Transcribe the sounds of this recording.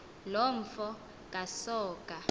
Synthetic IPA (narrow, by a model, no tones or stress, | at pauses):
lom̩fɔ | kʼasɔːkʼa